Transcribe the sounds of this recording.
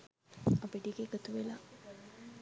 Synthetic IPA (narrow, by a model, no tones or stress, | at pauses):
apiʈiɡeɡat̪uʋela